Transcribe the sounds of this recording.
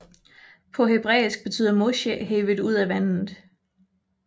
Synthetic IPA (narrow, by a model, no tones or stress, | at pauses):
pʰɒ̽ɦe̝b̥ʁɛ̰ːisɡ̥̚b̥e̝t͡sʰy̰ːðˠɐmoɕeɦeːʋədˠuð̞̰ˠæʋæn̰ð̩ˠ